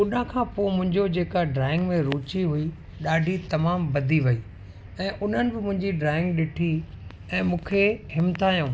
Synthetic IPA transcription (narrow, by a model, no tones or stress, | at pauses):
ʊɗə̃kʰãːpomʊ̃ɦɪ̃ɲd͡ʑod͡ʑeːkaɖɾaːɪ̃ŋɡmẽɾuːt͡ɕiɦʊi | ɗaːɖʱit̪ɐmaːmbɐd̪ʱiʋɐiː | ɛ̃ːʔʊn̤ənɪ̆bɪmʊ̃ɦɪ̃ɲd͡ʑiɖɾaːɪ̃ŋɡɗɪʈʰi | ɛ̃ːmũːkʰeɦɪmt̪aːjũː